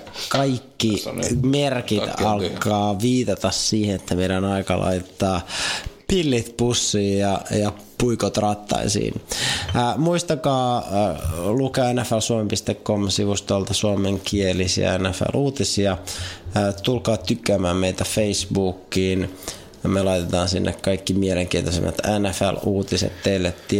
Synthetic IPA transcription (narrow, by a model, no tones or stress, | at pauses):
kɑikːimerkit̪ɑlkːɑːʋiːt̪ɑt̪ɑsːiːhenet̪ʰːæmeiɾænɑikɑ̰lʔɑ̰it̪et̪ːɑːpilːit̪pusːiːjɑjɑ | puikot̪rɑt̪ːɑ̰isḭːnː | muist̪ɑkɑː | lukeænːæfælsuomempist̪ekːomsiʋust̪olt̪ɑsuomeŋkielisḭæ̰ænːæfæ̰lʔuːt̪isiɑ | t̪ulkɑːt̪ykːæmæːmmeit̪æfeisbuːkːiːn | melɑit̪et̪ɑːnsinːʔḛkkɑikːimieleŋkiːnt̪osḛmːɑ̰t̪ænæfæ̰luːt̪isḛt̪teilːet̪t̪ːi